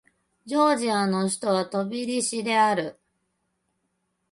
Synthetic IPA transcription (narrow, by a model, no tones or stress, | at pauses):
d͡ʑo̞ːʑiano̞ɕi̥t̪o̞βat̪o̞bʲiɾʲiɕid̪e̞aɾɯ̟